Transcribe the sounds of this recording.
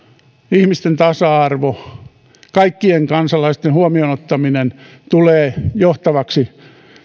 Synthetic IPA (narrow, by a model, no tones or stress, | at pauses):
ihmist̪ent̪ɑsɑɑrʋo | kɑikːieŋkɑnsɑlɑist̪enhuomionot̪ːɑminen | t̪uleːjoht̪ɑʋɑksi